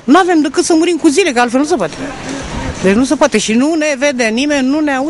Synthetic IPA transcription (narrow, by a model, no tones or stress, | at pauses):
nuave̞md̪əkɨt̪səmuɾimkuzile̞kəalfelnus̬epoat̪e | d̪et͡ʃnusepoat̪e̞ʃinuneve̞d̪enimennːuneau